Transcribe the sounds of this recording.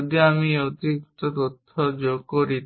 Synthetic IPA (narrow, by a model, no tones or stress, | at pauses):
d̪iamiot̪ik̚t̪ot̪ot̪ʰːod͡ʑokoɾi